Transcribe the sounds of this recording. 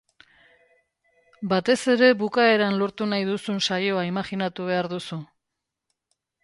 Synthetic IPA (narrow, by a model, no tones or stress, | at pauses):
bat̪e̞se̞ɾe̞βukae̞ɾanlo̞ɾt̪unajðusunsajo̞aimaχinat̪uβ̞e̞aɾðusu